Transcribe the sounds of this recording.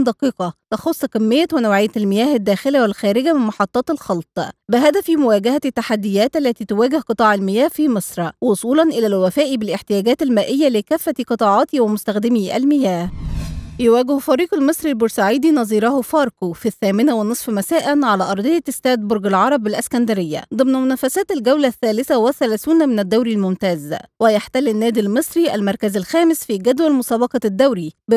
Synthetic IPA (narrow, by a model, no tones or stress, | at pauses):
d̪ɑqiːqɑt̪ɑxosˤːkæmːɪjːæwɪnæwʕejːælmɪjæːhɪd̪ːæːxɪlæwɪlxæːɾɪɡæmɪnmɑħɑt̪ˤːɑːt̪ɪlxɑlt̪ˤbɪɦæd̪æfimʊwæːɡæhæt̪ːaħad̪ːɪjæːt̪ʔælːæt̪iːt̪ʊwæːɡɪhqɨt̪ˤɑːʕalmɪjæːhfiːmesˤɾwosˤuːlɑnʔɪlælwæfæːʔibɪlʔɪħt̪ɪjæːɡæːt̪ælmæːʔɪjːælɪkæfːæt̪iqɨt̪ˤɑːʕɑːt̪iwæmʊst̪æxd̪ɪmiʔæ̰lmɪjæːhjʊwæːɡɪhfɑɾiːqalmɨsˤɾilboɾsaʕiːd̪inɑzˤiːɾɑhfɑːɾˤkofiθːæːmɪnæwɪnɨsˤfmæsæːʔænʕalæːʔɑɾˤd̪ˤejɑɪst̪æːd̪boɾɡɪlʕɑɾˤɑbɪlʔæskænd̪æɾɪjːæ̰d̪ˤɨmnæmʊnæːfæsæːt̪ɪlɡæwlæθːæːlɪθæwɪθːælæːθuːnmɪnæd̪ːæwɾilmʊmt̪æːzwɪjaħt̪ælːɪnːæːd̪ilmɨsˤɾiʔæ̰lmɑɾˤkæzælxæːmɪsfiːɡæd̪wælmʊsæːbɑqɑd̪ːæwɾib